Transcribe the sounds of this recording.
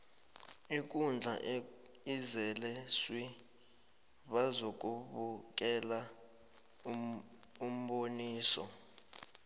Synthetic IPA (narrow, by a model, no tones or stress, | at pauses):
ik̬ʼund͡ɮʱa̰ | izɛlɛswi | ɓazok̬ʼuɓuk̬ʼɛla | um̩ɓoniːsɔ̰